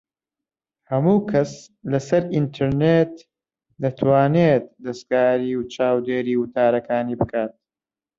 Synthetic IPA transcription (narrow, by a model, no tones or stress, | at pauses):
hɐmuːkʰɐs | lɐsɐɾint̪ʰɨɾnet̪ | d̪ɐt̪ʰwaːnet̪̚d̪ɐskaːɾiːwt͡ʃʰaːwd̪eːɾiːwɨt̪ʰaːɾɐkʰaːniːbɨkʰaːt̪̚